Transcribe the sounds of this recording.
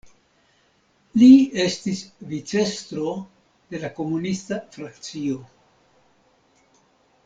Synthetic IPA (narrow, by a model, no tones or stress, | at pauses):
lie̞stisvit͡se̞st̪ɾo̞ | d̥e̞lako̞munistafɾakt͡sio̞